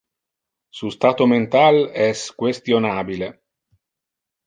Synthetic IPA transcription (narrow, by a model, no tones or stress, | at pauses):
sust̪aːt̪oment̪alɛskwest̪jonaːbile